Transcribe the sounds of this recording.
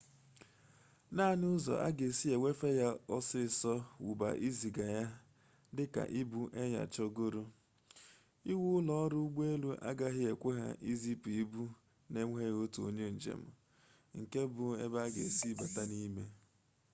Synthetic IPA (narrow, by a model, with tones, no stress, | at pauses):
na˦˨nʊ˦zɔ̰˨ʔa̰˦ɡe˨si˦e˨wʷe˦fe˦ja˦ɔ˦sɪ˦˨sɔ˦wṵ˨ba̰˨ʔi˦zi˨ɡa˨ja˦ | dɪ˦ka̰˨ʔi˦bu˦ʔe˦ɲa̰˨t͡ʃɔ˦ɡo˦ɾo˦ | i˦wu˦lɔ˦ɔ˦ɾʊ˦ɡ͡be˦lu˦ʔa̰˦ɡa˦ɦɪ˦e˨kʷe˦ɦa̰˨ʔi˦zi˦pi˦bu˦ | ne˦ŋʷ˦e˦ɣo˦tu˨o̰˦ɲe˦n̩˨d͡ʒḛ˨m̩˨ | ŋ̩˨ke˦bʊ˨ḛ˦ba˦ɡḛ˨si˦ba˨ta˦ni˦me˦